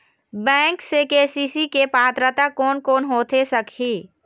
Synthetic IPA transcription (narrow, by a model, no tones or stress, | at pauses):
bɛ̃ːŋksekeːsiːsikepaːt̪ɾət̪akɔːnkoːnɦoːt̪esəkʰiː